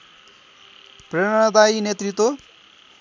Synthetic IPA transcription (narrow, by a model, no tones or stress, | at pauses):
preɽ̃ʌ̃ʌd̪ajinet̪rit̪ːwo